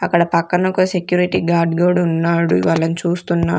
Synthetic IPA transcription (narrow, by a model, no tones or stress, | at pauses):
ɐkːɐɽɐpɐkːɐnɐkusekjuːɾiʈiːɡaːɾɖɡoːɖunːaːɽuḭʋaːlɐnit͡ʃuːst̪unːa̰ː